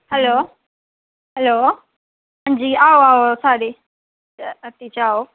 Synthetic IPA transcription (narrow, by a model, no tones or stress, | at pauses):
hɛloː | ɦɛloː | ə̃nd͡ʑiːaːoaːosaːɗiː | t̪it͡ɕaːo